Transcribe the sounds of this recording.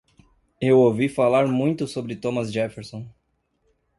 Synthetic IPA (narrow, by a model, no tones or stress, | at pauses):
ewowvifalaɾmũj̃t̪ʊsobɾɪt̪õmɐzʒɛfeɾsõ